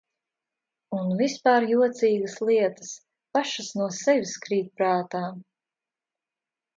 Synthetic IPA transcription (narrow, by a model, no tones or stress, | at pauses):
unvispaːɾjuɔt̪sʲiːɡəslˠiɛt̪ə̥s | paʃɐsnuɔsɛvʲiskɾiːt̪̚pɾaːt̪aː